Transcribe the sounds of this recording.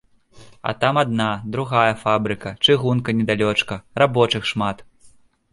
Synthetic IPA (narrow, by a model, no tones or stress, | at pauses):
ɐ̰t̪amad̪̚nad̪ɾuɣajɐfabɾɨkɐt͡ʂɨɣunkɐnʲɛd̪alʲɔt͡ʂkɐrabɔt͡ʂɨxʂmat̪